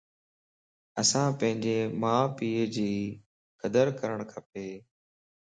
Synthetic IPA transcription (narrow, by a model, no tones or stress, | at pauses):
əsãːpə̃ɦɪ̃ɲd͡ʑeːmãːpiːd͡ʑiː | kəd̪əɾkəɾəɳ̃kʰəpeː